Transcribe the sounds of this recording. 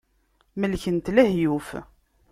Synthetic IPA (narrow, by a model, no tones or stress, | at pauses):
məlçənt̪læhjuf